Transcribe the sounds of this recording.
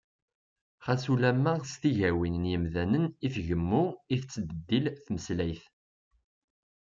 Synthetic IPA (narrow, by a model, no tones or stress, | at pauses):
χæsulæmːæst̪iʝæwinnjəmðænənifʝəmːuiθt͡sːəd̪əd̪ːilθməslæjθ